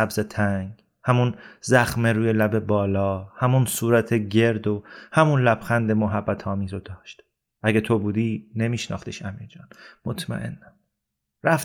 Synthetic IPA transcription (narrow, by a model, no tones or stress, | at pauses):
æbzet̪ʰæŋɡ | hæmunzæxmeɾuːjelæbe̞bɒːlɒːhæmunsuːɾæt̪ʰe̞ɟe̞ɾd̪ohæmunlæb̥xænd̪e̞moɦæbːæt̪ʰɒːmiːzod̪̥ɒːʃt̪ | ʔæɡet̪ʰo̞buːd̪iːne̞miːʃnɒ̰ːχt̪iʃæmiːɾd͡ʒɒːnmot̪ʰmæ̰ʔḛnːæ | ɾæf